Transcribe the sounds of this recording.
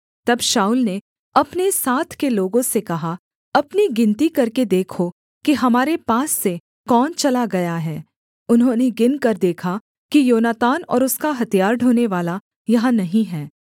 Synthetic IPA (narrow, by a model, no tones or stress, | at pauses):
t̪ɐbʃaːʊlne | ɐpnesaːt̪ʰkeloːɡõsekɐɦa | ɐpniɡɪ̃nt̪ikɐɾked̪eːkʰo | kiɦɐmaːɾepaːsːe | kɔːnt͡ʃɐlaɡɐjaɦɛː | ʊnɦõːneɡɪnkɐɾd̪eːkʰa | kijoːnaːt̪aːnɔ̰ːɾʊskaɦɐt̪ijaːɾɖʱoːneʋaːla | jɐɦãnɐɦĩɦɛː